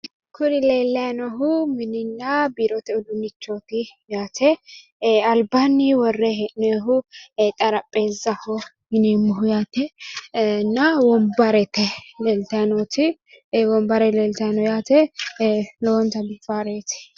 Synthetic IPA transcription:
kʰʊɾɪleːlːɐjnɔɦʊmɪnɪnːɐbiːɾɔt̪ɪɔd̪ʊnːɪt͡ʃːot̪ɪjaːt̪ɛ | ɐlbanːiwɔrːɛɦɛʔneɦʊt̪ʼɐɾɐpʼːeːzːɐhɔ | mɪnimːɔɦʊjaːt̪ɛ | nːɐwɔmbɐɾɛt̪ːɛlelt̪ɐnot̪ɪ | wɔmbɐɾɛleːlt̪ɐjnɔjaːt̪ɛ | lɔwɔnt̪ɐbɪfaːɾeːt̪ɪ̥

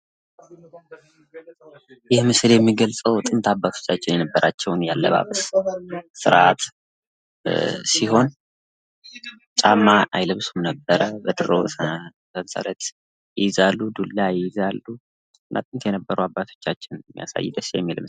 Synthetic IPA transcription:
jɪhmɨsɨljɛmːiɡəlt͡sʼəwt̪ʼɨnt̪ʰabːat̪ʰo̞̥t͡ʃːat͡ʃːɪnjɛnəbːəɾʔat͡ʃːɛwnjalːə̰βa̰βəs | sɨ̰ɾʔat̪ | siho̞n | t͡ʃʼamːaʔa̰jlɨβsumnəbːəɾəbəd̪ɨɾo̰ | sənsa̰lət̪ | jɪzalːud̪ulːajɪzalːu | ɨnːʔa̰t̪ʼɨnt̪ʰjɛnəbːəɾuabːat̪ʰo̞̥t͡ʃːat͡ʃːɪnmːija̰sa̰jːɪd̪əsjɛ̰mːilɨm

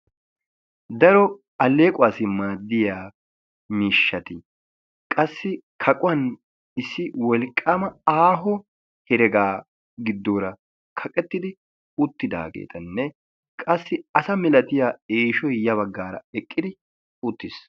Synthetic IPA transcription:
d̪ɐɾɔ | ɐlːe̞ːkʼʊaːsɪmaːd̪ːɪjaː | miːʃːɐt̪ɪ | kʼɐsːɪkʰɐkʼʊɐn | ɪsːɪwɔlkʼːamɐaːɦɔ | hɛɾɛɡaː | ɡɪd̪ːoːɾɐ | kʰɐkʼɛt̪ːɪd̪ɪ | ʊt̪ːɪd̪a̰ːɡḛːt̪ʰɐnːɛ | kʼɐsːɪɐsɐmɪlɐt̪ɪjaːeːʃɔjjɐβɐɡːaːɾɐ̰ɛkʼːɪd̪ɪ | ʊt̪ːɪs

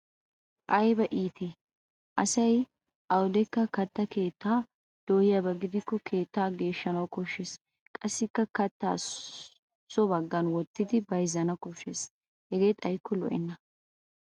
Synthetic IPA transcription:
ʔɐjbɐʔiːt̪ʰe | ʔɐsɐj | ʔɐwʊd̪ɛkːɐkɐt̪ːɐke̞ːt̪ːaː | d̪̥oːhɪjɐbɐɡɪd̪ɪkːɔkʰe̞ːt̪ːaːɡe̞ːʃːɐnɐwkɔʃːes | kʼɐsːɪkːɐkɐt̪ːa̰ː | sɔbɐɡːɐnwɔt̪ːɪd̪ɪbɐjzɐnɐkɔʃːes | hɛɡe̞ːt̪ʼɐjkːɔlɔʔɛnːɐ

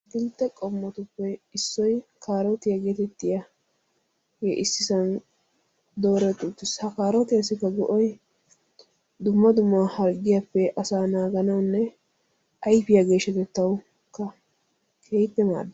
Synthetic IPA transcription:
ɡɪlt̪ːɛkʼɔmːɐt̪ʊpːɛɪsːɔjkʰaːɾɔt̪ɪjɐɡeːt̪ɛt̪ːɪjɐ | jɛʔɪsːɪsɐn | d̪o̞ːɾɛt̪ʼʊt̪ːɪshɐkaːɾɔt̪ɪjasːɪkːɐɡɔʔɔj | d̪ʊmːɐd̪ʊmːahɐɾɡɪjapːɛʔɐsaːnaːɡɐnɐwnːɛ | ʔɐjpɪjɐɡe̞ːʃɐt̪ɛt̪ːɐw | kːɐ | kʰeːt̪ːɛma̰ːd̪ː

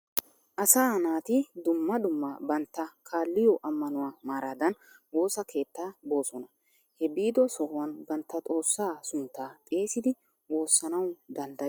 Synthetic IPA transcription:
ʔɐsaːnaːt̪ɪd̪ʊmːɐd̪ʊmːɐbɐnt̪ːɐkʰaːlːɪjɔʔɐmːɐnʊwaːmaːɾaːd̪ɐn | wo̞ːsɐkʰe̞ːt̪ːaːbo̞ːsɔnɐ | hɛbiːd̪ɔsɔhʊwɐnbɐnt̪ːɐt̪ʼo̞ːsːaːsʊnt̪ːaːt̪ʼe̞ːsɪd̪ɪ | wo̞ːsːɐnɐwd̪ɐnd̪ɐ

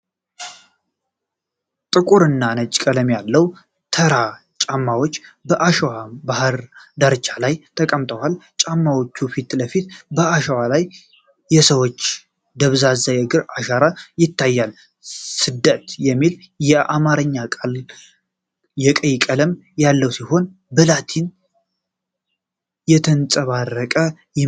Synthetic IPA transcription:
t̪ʼɨkʼuɾɨnːanət͡ʃʼkʼələmjalːəw | t̪ʰəɾa | t͡ʃʼamːawo̞t͡ʃːbəʔaʃəwabahɨɾd̪aɾɨt͡ʃʰːalajt̪ʰəkʼəmt̪ʰʼəwalt͡ʃʼamːawot͡ʃːufit̪ləfit̪bəaʃəwalajː | ɛsəwot͡ʃː | d̪əβzazajəɡɨɾaʃaɾajɪt̪ʰːajːal | sɨd̪ːət̪jɛmːil | jɛʔamaɾəɲːakʼal | jɛkʼəjkʼələmjalːəwsiho̞n | bɨlat̪ʰin | jɛt̪ʰənsʼəβarːəkʼə | jɛ

